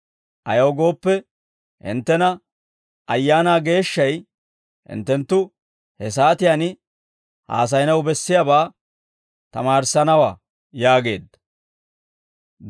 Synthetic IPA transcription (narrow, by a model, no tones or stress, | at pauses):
ʔɐjɐwɡo̞ːpːɛ | hɪ̰nt̪ːɛnɐ | ʔɐjːaːnaːɡe̞ːʃːɐj | hɪ̰nt̪ːɛnt̪ːʊ | hɛs̬aːt̪ɪjanɪ | ha̰ːs̬ɐjnɐwbɛsːɪjabaː | t̪ɐmaːɾsɐnɐwa̰ː | jaːɡe̞ːd̪ːɐ